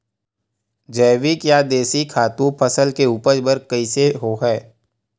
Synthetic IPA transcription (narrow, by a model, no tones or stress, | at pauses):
d͡ʒəːʋɪkjad̪eːsikʰaːt̪ũpʰəsəlkeuːpəd͡ʒbəɾkəiseɦoɦɛː